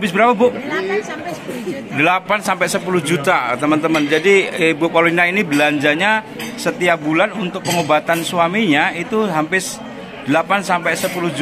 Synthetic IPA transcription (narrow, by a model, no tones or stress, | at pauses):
ampɪsbəɾapabʊʔ | dəlapansampɛsəpuluhd͡ʒut̪at̪əmənt̪əmənd͡ʒadibʊʔwaloinainibəlaɲd͡ʒaɲa | sət̪iabulanunt̪ʊk̚pəŋobat̪ansuamiɲait̪uɦampɪs | d̥əlapansampɛsəpulʊhd͡ʒ